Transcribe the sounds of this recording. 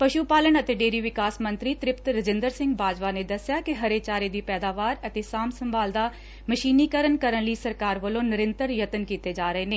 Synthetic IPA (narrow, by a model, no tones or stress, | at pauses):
pəʃuːpaːlənət̪eːɖeːɾiːʋɪkaːsmə̃nt̪ɾiːt̪ɾɪpt̪ɾəd͡ʒɪ̃nd̪əɾsɪ̃ŋɡbʱaːd͡ʒʋaːneːd̪əsjaːkɪɦəɾeːt͡ʃaːɾeːd̪iːpɛːd̪aːʋaːɾət̪eːsaːmsəmbaːld̪aː | məʃiːniːkəɾənkəɾənliːsəɾkaːɾʋəlõːnɪɾə̃nt̪əɾjət̪ənkiːt̪eːd͡ʒaːɾəɦeːneː